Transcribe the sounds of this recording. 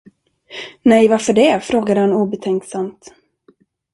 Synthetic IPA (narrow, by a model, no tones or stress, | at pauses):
nɛjvaɾfœɖɛfɾoːɡad̪əhanuːbɛt̪ʰɛŋksamt̪